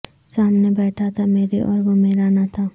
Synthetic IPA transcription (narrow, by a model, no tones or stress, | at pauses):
saːmnebɛːʈʰat̪ʰameːɾiʔɔ̰ːɾʋomeːɾanat̪ʰaː